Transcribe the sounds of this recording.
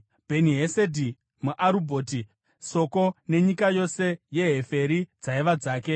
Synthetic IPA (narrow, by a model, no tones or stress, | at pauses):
bʱe̞niɦesedʱi | muʔaɾubʱoːti | so̞ko̞ne̞ɲikajo̞se̞je̞ɦe̞fe̞ɾid͡zaiʋad͡zaːke̞